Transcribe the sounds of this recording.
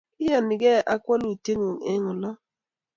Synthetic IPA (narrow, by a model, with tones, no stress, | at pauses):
ɪ˦ja˨nɪ˨ɡɛ˦ʔa˦kwɔ˦n˦i˨te˦ŋu˨ŋɛ˦ŋɔ˨lɔ˦